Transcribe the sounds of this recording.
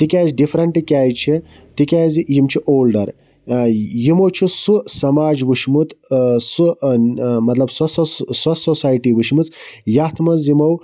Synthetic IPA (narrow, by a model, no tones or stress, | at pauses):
t̪ikʲaːziɖifʰɾɐɳʈːikʲaːjt͡ʃʰi | t̪ikʲaːzijimt͡ʃʰiʔoːlɖɐɾ | jimowt͡ʃʰisusɐmaːd͡ʒʋuʃmut̪su | mɐt̪lɐbsɐsɐsɐsosaːjʈiːʋuʃmut͡sjat̪ʰmɐnzimow